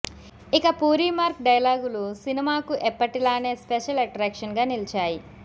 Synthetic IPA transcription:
ikɐpuːɾiːmaːɾk̚ɖɐjlaːɡulusinimaːkuʔɛpːɐʈilaːne̞ːspeʃɐlɐʈɾaːkʂɐnɡaːnilt͡ʃaːji

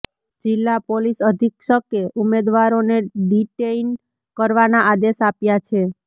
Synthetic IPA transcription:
d͡ʒɪlːapolisəd̪ʱikʃəkeʔumed̪ʋaɾoneɖiʈein | kəɾʋanaʔad̪eʃapjat͡ʃʰe

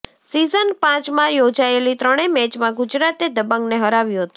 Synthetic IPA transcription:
sizənpãt͡ʃmãjod͡ʒaelit̪ɾəɽ̃emɛt͡ʃmãɡʊd͡ʒɾat̪ed̪əbə̃ŋɡneɦəɾaʋjũɦət̪ũ

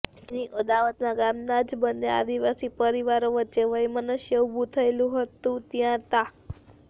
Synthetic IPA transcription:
niʔəd̪aʋət̪naɡamnad͡ʒbəndea̰d̪iʋasipəɾiʋaɾoʋəːt͡ʃeʋəjmənəʃjəubʱut̪ʰəelũɦət̪ũt̪jãt̪a

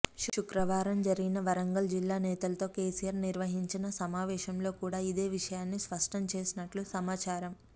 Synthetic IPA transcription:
ʃʃukɾɐʋaːɾɐmd͡ʒɐɾiɡinɐʋɐɾɐŋɡɐld͡ʒilːaːnɛːt̪ɐlɐt̪o̞ːkeːsijaɾniɾʋɐɦiɲt͡ʃinɐsɐmaːʋɛːʃɐmlo̞ːkuːɽaːid̪e̞ːʋiʂɐjaːnːispɐʂʈʰɐmt͡ʃe̞ːsinɐʈlusɐmaːt͡ʃaːɾɐm

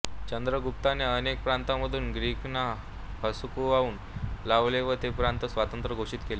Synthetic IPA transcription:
t͡ɕənd̪ɾəɡup̚t̪aneənek̚pɾant̪aməd̪ʱuːnɡɾikna | pəsukuauːn | laʋleʋət̪epɾãnt̪əsʋat̪ənt̪ɾəɡʱoʂiːt̪kele

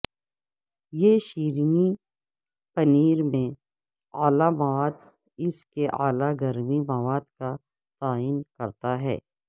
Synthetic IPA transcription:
jeʃiːɾni | pɐniːɾmẽ | aːlamɐʋaːd̪ | ɪskeʔaːlaɡɐɾmimɐʋaːd̪ka | t̪aːiːnkɐɾt̪aɦɛ̰ː

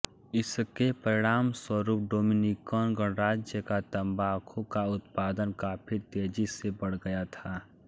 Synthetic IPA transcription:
ɪskepəɾɪɽ̃aːmswəɾuːp̚ɖoːminikɔːnɡəɽɾaːd͡ʒjəkat̪ɐmbaːkʰõkaʊt̪paːd̪ənkapʰɪɾt̪eːd͡ʒisebəɽ̤ɡɐjat̪ʰaː

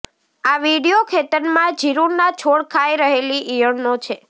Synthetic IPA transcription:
aʋiɽiokʰet̪əɾmãd͡ʒʱiɾuɾnat͡ʃʰoɭkʰajɾəɦeliʔijəɳnot͡ʃʰe

